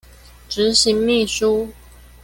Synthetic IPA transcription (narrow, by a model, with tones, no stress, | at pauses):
ʈ͡ʂɻ̩˨˥˦ɕi˧˥ŋmi˥˩ʂu˥